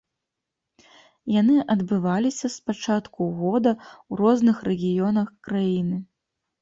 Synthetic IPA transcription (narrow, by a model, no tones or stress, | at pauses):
janɨʔɐd̪bɨvalʲisʲɐspat͡ʂat̪kuɣɔd̪ɐwɾɔznɨxrɛɣʲijɔnɐxkɾajinɨ